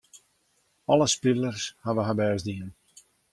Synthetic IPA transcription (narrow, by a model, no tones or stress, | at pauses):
ɔləspilˠərshaʋəɦabɛːzdiən